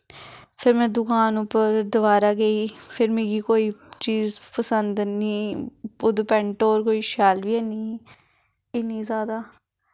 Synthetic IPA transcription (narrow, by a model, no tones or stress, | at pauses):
pʰɪɾmɛ̃ːd̪ʊkaːnʊpːəɾd̪əʋaːɾaːɡeiːpʰɪɾmẽːɡiːkoːiːt͡ʃiːzpəsənd̪niːʊd̪pɛ̃ɳʈoːɾkoːiːʃaːlʋiːɛːnĩː | ɪnĩːzaːd̪aː